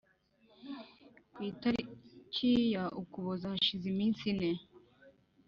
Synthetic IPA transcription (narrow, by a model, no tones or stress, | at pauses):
kwiːtaɾicʰijaʔukuβozaʃizimiːnsine